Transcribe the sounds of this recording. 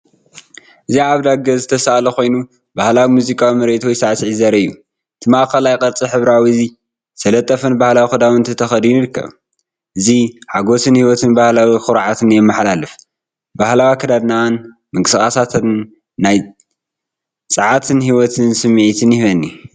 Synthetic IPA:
ʔɨziaʕaβd̪aɡɐzɨt̪ʰɐsaʔlɐkʰo̞jnu | bahlawimuzikʼawimɐɾet̪ʰojisaʕsiʕizɐɾɐɨjːu | t̪ʰɨmaʔkɐlajkʼɐɾt͡sʼiħɨβɾawizi | sɐlɐt̪ʼːɐfɨnbahlawixɨd̪awɨnt̪ʰɐt̪ʰɐxɐd̪ijujiɾɨkːɐ̰β | ʔɨziħaɡo̞sɨnhiwɔt̪ʰɨnbahlawixɨɾʕat̪ʰɨnjɛmːɨħlalɨf | b̥ahlawikʰɐd̪ad̪nawn | mɨŋkʼɨsɨxʼasat̪ʰɨnː | aj | t͡sʼɨʕat̪ʰɨnhiwɔt̪ʰɨnsɨmːʕit̪ʰɨnjhβɐnːi

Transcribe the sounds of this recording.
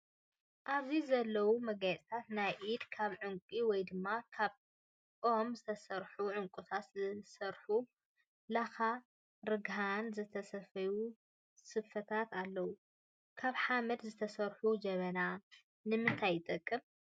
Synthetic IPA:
ʔaβzizɐlːɐwumɐɡajt͡sʼit̪ʰat̪najʔid̪kʰaβʕɨŋkʼiwɔjd̪ɨmːakʰaβ | omzɨt̪ʰɐsɐɾħuʕʊŋkʼut̪ʰat̪zɨsɐɾħu | laxa | ɾɨɡɦanzɨt̪ʰɐsɐfɐju | sɨfɐt̪ʰat̪alːɐwu | kʰaβħamɐd̪zɨt̪ʰɐsɐɾħud͡ʒɐβɐna | nɨmɨnt̪ʰajːɨt̪ʼɐkʼːɨm

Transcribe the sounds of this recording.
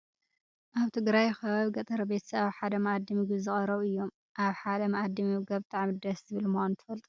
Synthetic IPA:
ʔaβt̪ʰɨɡɾajxɐβaβɡɐt̪ʼɐɾɐbet̪ʰɐ̥sɐβaβħad̪ɐmɐad̪ːimiɡɨzɨχʼɐɾɐβɨjːo̞m | ʔaβħad̪ɐmɐʔad̪ːimɨɡɐβbɨt̪ʼaʕmid̪ɐszɨβɨlmxant̪ʰɨ̥fɐlt̪ʼu

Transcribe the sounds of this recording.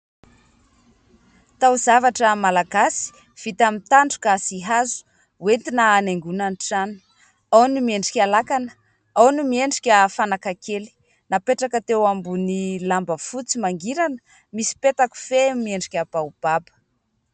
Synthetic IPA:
t̪awzavaʈ͡ʂəmalaɡasi̥ | v̥it̪amint̪aɳɖ͡ʐu̥kasiɦazu̥ | went̪inaːneŋɡunaniʈ͡ʂani̥ | awnimieɳɖ͡ʐikʲalakanə̥ | awnimieɳɖ͡ʐikʲafanakakʰeli̥ | napeʈ͡ʂakət̪ewambunilambəfut͡simaŋɡiɾanə̥ | misi̥pet̪aku̥femieɳɖ͡ʐikʲab̥aub̥abə̥

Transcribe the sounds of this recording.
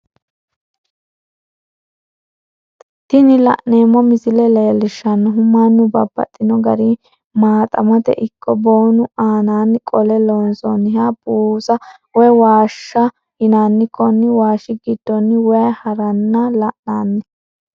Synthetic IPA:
t̪ɪnɪlɐ̰ʔne̞ːmːɔmɪsɪlɛlɛlɪʃːɐnːʊɦʊmːanːʊbɐbːɐ̰t̪ʼːɪnɔɡɐ̰ɾi | maːt̪ʼɐmɐt̪ɛ̰ʔɪkʰːɔboːnʊaːnaːnkʼɔlɛloːnsɔnːɦabuːsɐ | wɛwaːʃːɐ | hɪnanːɪkːɔnːɪwaːʃɪɡid̪̥ːɔnːɪwɛjɐhɐɾɐnːɐlɐʔnaːnːɪ

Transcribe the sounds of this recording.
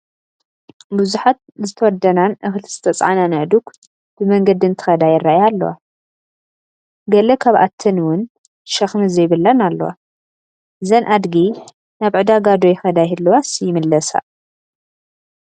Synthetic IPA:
buzuħat̪̚zɨt̪ʰɐwɔd̪ːɐnanʔɨxɨlʰzɨ̥t̪ʰɐt͡sʼʕa̰nanɨʕd̪uk | b̥ɨmɐŋɡɐd̪ɨnt̪ʰɨ̥xɐd̪ajɪrːaʔjalːɐ̰wa̰ | ɡɐlɐkʰaβʔa̰t̪ʰːɨnwʊn | ʃɐxmɨzɐjβɨlːɐnalːɐ̰wa̰ | zɐnʔad̪ɡi | naβʕɨd̪aɡad̪ojɪxɐd̪ajɨlːɐwasjɪmɨlːɐsa̰

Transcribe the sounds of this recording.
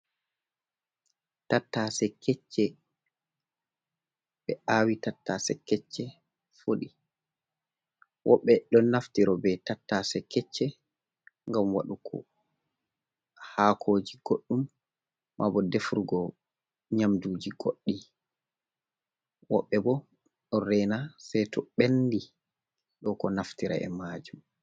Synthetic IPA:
tatːasɛkɛt͡ʃːɛ | ɓɛʔaːwitatːasɛkɛt͡ʃːɛ | foɗi | wʔɔ̰ɓːɛɗɔnːaftiɾɔbɛtatːasɛkɛt͡ʃːɛ | ŋɡamwa̰ɗukʰɔ̰ | haːkʰoːd͡ʒiɡ̥oɗːumː | ʔa̰bɔdefuɾɡɔ | ɲamdud͡ʒiɡoɗːi | wɔ̰ɓːɛbɔ | ɗɔɾɛnasɛjtʰɔɓendi | ɗɔkɔnaftiɾa̰ɛ̰maːd͡ʒum

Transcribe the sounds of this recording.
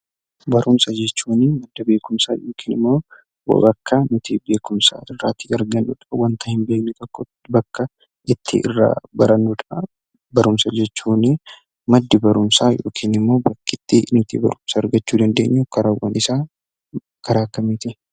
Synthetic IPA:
bɐɾʔʊmsɐd͡ʒɛt͡ʃːuːnɪmɐd̪ːɐbe̞ːkʊmsa̰ːjoːkʰiːnɪmːo̞ː | wɐ̰bɐkːɐnɪt̪ʰiːbe̞ːkʊmsa̰ːɪrːaːt̪ɪɐɾɡɐnːṵːᶑ̪ɐɐwɐnt̪ɐhɪmbe̞ːknɪt̪ɔkːɔ | bɐkːɐ | ʔɪt̪ʰːɪ̰ʔɪ̰rːa̰ːbɐɾɐnːuᶑ̪ɐɐ | bɐɾʊmsɐd͡ʒɛt͡ʃːuːnɪ | mɐd̪ːɪbɐɾʊmsaːjo̰ːkʰiːnɪmːo̞ːbɐkːɪt̪ːɪnɪt̪ḭːbɐ̰ɾʊmsaɐɾɡɐt͡ʃːuːd̪ɐnd̪e̞ːɲːukɐɾawɐ̰nɪsaː | kɐɾaːkːɐmiːt̪ɪ

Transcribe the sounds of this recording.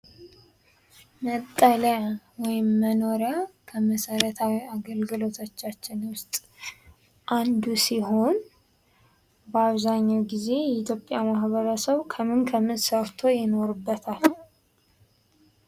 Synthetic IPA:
mət̪ʼːələ | wɔjɪmːəno̞ɾəkʰəməsəɾət̪ʰawiaɡəlɡɨlo̞t̪ʰot͡ʃːat͡ʃːɪnwʊst̪ʼ | ʔand̪usiho̞n | bəaβzaɲːawɡize̞jɛit̪jo̞pʼːjamahβəɾəsəβkʰəmɨnkʰəmɨnsəɾt̪ʰo̞jɛno̞ɾɨbːət̪ʰalː

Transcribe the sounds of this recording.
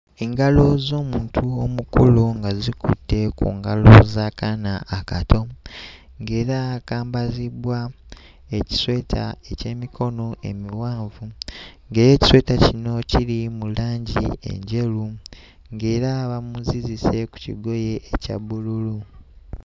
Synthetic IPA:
eŋɡalo̞zo̞ːmuːntʰuo̞mukuluŋɡazikṵtːe̞kṵːŋɡalozakanaːkatʰo̞ | ŋɡe̞ːɾaːkaːmbaziβwa | e̞ci̥swe̞ːtʰa̰e̞ce̞ːmikʰo̞no̞ʔe̞̰miwaːɱvuŋɡeːjeːci̥swe̞ːtacino̞ciɾimulaːɲɟḭe̞̰ɲɟe̞lu | ŋɡe̞ːɾaβamuzizise̞ku̥cḭɡo̞je̞ʔːcaβululu

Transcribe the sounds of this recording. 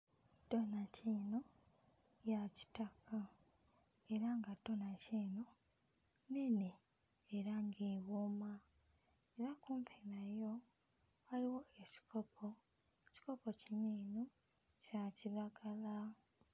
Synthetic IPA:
d̥o̞naciːno | jaci̥takʰa | e̞ɾaŋɡado̞naciːno | neneː | ɾaŋɡeːβoma | eɾakuːmpʰenajo̞ | aliwo̞eci̥kʰopʰo | ci̥ko̞pociɲino | caciβaɡala

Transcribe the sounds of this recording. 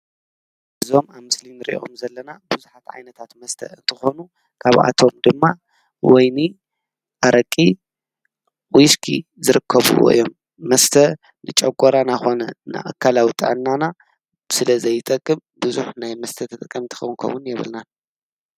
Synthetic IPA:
ʔɨzo̞maβmɨslinɨɾḭʔʔo̰mzɐlːɐnabɨzuħat̪ʕa̰jnɐt̪ʰat̪mɐst̪ʰɐ̰ɨ̰nt̪ʰɨxo̞nu | kʰaβʔa̰t̪ʰo̞md̪ɨmːa | wɔjni | ʔaɾɐkʼːi | wiskʰḭzɨɾɨkʰːɐβṵw̰ḭjo̞mː | ɐst̪ʰɐ | nɨt͡ʃʼɐkʷʼːoɾanaxo̞nɐna̰ʔakʰːalawit̪ʼɨ̰ʕɨnːana | sɨlɐzɐjːɨt̪ʼɐkʼːɨmbɨzuħnajmɐst̪ʰɐt̪ʰɨt̪ʼɨkʼːɐmt̪ʰɨ̥xɐwnkʰɐ̰wʊnjɛβɨ̰lna

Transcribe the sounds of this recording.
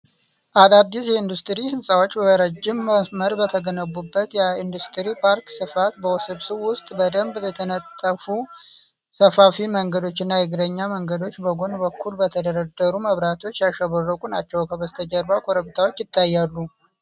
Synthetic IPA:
ʔalad̪ːisjɛind̪ust̪ʼɾihɨnsʼawo̞t͡ʃːbəβəɾəd͡ʒɪmːəsməɾbət̪ʰəɡənəbːubːət̪jɛind̪ust̪ʰʼɨɾipʰaɾksɨfat̪bəwɔsɨβsɨβwʊst̪ʼbəd̪əmbjɛt̪ʰənət̪ʼːəfu | səfafiməŋɡəd̪o̞t͡ʃːɪnːajɪɡɾəɲːaməŋɡəd̪o̞t͡ʃːbəɡo̞nbəkʰːulbət̪ʰəd̪əɾəd̪ːəɾuməβɾat̪ʰo̞t͡ʃːjaʃəβərːəkʼunat͡ʃːɛwkʰəβəst̪ʰəd͡ʒəɾbakʰoɾəβt̪ʰawo̞t͡ʃːjɪt̪ʰːajːalːu

